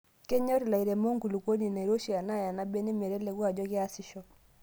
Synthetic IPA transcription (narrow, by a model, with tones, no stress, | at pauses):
kɛ˦ɲɔ˦ɾi˨la˨i˨ɾɛ˨mo˦ŋɡu˨lu˨ko˦ni˨na˨ɾo˦ʃi˨a˨na˦ja˨na˦bɛ˦nɪ˦mɛ˨ɾɛ˦lɛ˨ɣwa˦˨d͡ʒɔ˦kɪ˦a˦si˨ʃɔ˨